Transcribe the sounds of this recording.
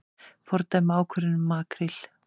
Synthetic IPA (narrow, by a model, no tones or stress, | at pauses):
fɔɾt̪amaːwkʰvœɾɪnʏmːaːkɾɪl̥